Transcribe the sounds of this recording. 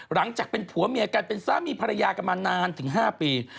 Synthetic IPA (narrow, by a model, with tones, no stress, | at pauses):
ɾa˩˦ŋt͡ɕaː˨˩k̚pe˧npʰu˩˦ɐmi˧˩əkaː˧npe˧nsaː˦˥miː˧pʰa˧ɾa˧jaː˧ka˧maː˧nːaː˧nt̪ʰɯ˩˦ŋɦaː˥˩piː˧